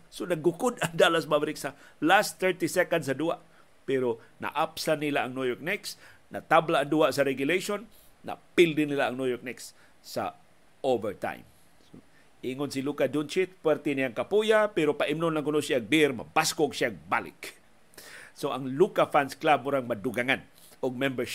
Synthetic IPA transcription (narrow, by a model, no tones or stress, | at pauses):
sonaɡʊkʊd̪aŋd̪alasmabɾiksalast̪ɛɹt̪isɛkandsad̪uhaʔ | pɛɾo | na̰ʔapsanilaʔaŋnujok̚nɛksna̰t̪ablaʔaŋd̪uaʔsaɾɛɡjʊlejʃonː | a̰pild̪ɪnilaʔaŋnujoɹk̚nɛks | sa̰ | ʔovɛɹt̪a̰jm | o | ʔiŋonsilukadunt͡ʃɪt̪̚pwɛɾt̪ɛnijaŋkapujapɛɾopaʔimnonlaŋkʊnosjaɡ̚biɾma̰baskoɡʃjaɡ̚balɪ̰k | soʔaŋlukafansklabʊɾaŋmadʊɡaŋan | ʊɡ̚mɛmbɛɹʃ